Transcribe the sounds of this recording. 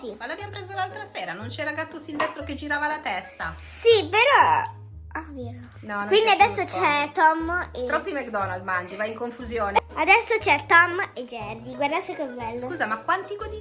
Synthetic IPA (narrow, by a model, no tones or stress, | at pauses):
simalabjampɾeːzolalt̪ɾaseːɾanont͡ʃɛɾaɡat̪ːosilvɛst̪ɾoked͡ʒiɾaːvalat̪ɛst̪a | sipeɾɔ | aveːɾo | nɔnkwind̪iad̪ɛsːot͡ʃɛt̪ɔmeɾɔpːɾimɛkd̪ɔnald̪mand͡ʒivaiŋkoɱfuzjoːnead̪ɛsːot͡ʃɛt̪ɔmed͡ʒɛrd̪iɡward̪asekekwɛlːskouːzamakːwant̪iɡod̪i